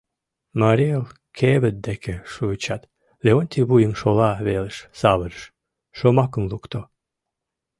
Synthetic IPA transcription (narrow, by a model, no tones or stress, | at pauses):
maɾʲielˠ | kʰeβə̆t̪̚d̪ekʲeʃut͡ɕat̪ | lʲeonʲt̪ʲibujəŋʃolˠɑβeləʃsɑβəɾəʃ | ʃomɑkə̆mlˠukt̪o